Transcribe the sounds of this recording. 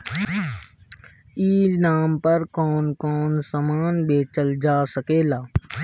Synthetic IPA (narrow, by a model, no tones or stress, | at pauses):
iːnaːmpəɾkɔːnkɔːnsamaːnbeːt͡ʃəld͡ʒaːsəkeːlaː